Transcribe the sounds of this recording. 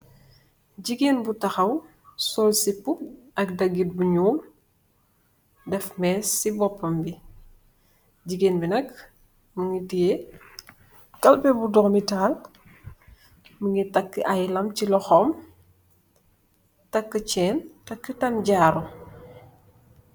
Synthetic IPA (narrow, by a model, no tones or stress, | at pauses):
ɟiɡenbutɐxɐw | sɔːlsipu | ɐk̚dɐɡit̚buɲuːl | dɛfmɛsibɔpːɐmbi | ɟiɡenbinɐk | məŋitije | kɐlpɛbudɔŋmitaːl | məŋitɐkːəʔɐjlɐmcilɔxɔm | tɐkːət͡ʃɛːntɐkːətɐmɟaːɾɔ